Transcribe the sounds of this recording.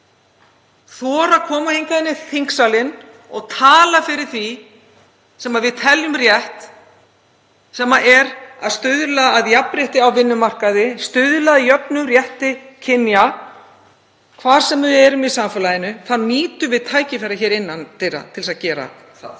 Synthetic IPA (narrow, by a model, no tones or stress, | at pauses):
θɔːɾakʰɔːmahejŋkaðɪnːɪθiŋksalɪn | ɔɣt̪ʰaːlafɪɾɪɾ̥θvi | sɛmaðvɪðt̪ʰɛljʏmrjɛht̪ | sɛmaʔɛɾaðst̪ʏðlaːðjapɾjɛht̪ɪawvɪnːʏmar̥kaðɪst̪ʏðlaðjœpnʏmrjɛht̪ɪcʰɪnja | kʰvaːɾ̥sɛmaðɪðɛɾʏmɪsamfɛlaðɪnʏθanːiːt̪ʏvɪðt̪ʰaːjcɪfɛɾaçɛːɾɪnːant̪ʰɪɾa̰t̪ʰɪlsaðcɛːɾa̰ | θa̰ð